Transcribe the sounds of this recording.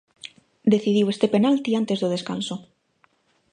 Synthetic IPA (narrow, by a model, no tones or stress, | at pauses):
d̪eθiðiwest̪epenalt̪iant̪ezðoð̞eska̰nso